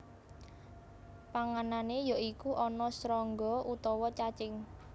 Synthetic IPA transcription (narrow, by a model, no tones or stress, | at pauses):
paŋananejɔikuʔɔnɔsɾɔŋɡɔut̪ɔwɔt͡ʃat͡ʃɪŋ